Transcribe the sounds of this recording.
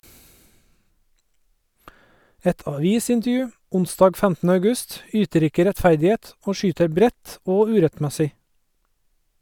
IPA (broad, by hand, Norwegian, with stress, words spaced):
ˈɛt ɑˈʋiːsɪntəˌjʉː ˈʊnˌsdɑːɡ ˈfæmtn̩ə ɑʉˈɡʉst ˈyːtəɾ ˈɪkə ɾɛtˈfæɾdɪˌeːt ˈoː ˈʃyːtəɾ ˈbɾɛt ˈoː ˈʉːɾɛtˌmæsɪ